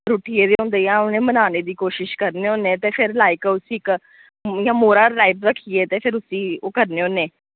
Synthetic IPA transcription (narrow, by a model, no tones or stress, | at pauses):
ɾuːʈiːeːd̪eːɦõːnd̪eːjãːʊnẽːmənaːneːd̪iːkoːʃɪʃkəɾneːõːnẽːt̪eːpʰɪɾlaːɪkʊsiːk | jãːmoːɾaːʈaːɪpɾəkʰːieːt̪eːpʰɪɾʊsiːoːkəɾneːõːneː